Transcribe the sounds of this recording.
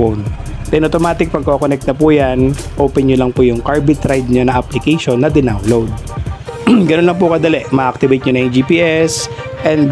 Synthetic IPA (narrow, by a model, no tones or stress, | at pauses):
ont̪ɛnʔot̪omaːt̪ɪk̚pɐɡ̚kokonɛk̚t̪nɐpujan | ʔoːpɛnɲolɐŋpʊjʊŋkaɹbɪt̪ɾajd̪̚ɲanɐʔɐplɪkɛjʃonːɐd̪ɪnawnlowd̪̚ | ɡɐnonlɐŋpʊkɐd̪ɐlɛʔmɐʔʔɐk̚t̪ɪbejt̪̚ɲonɐʔɛd͡ʒipiːʔɛs | ʔɛnd̪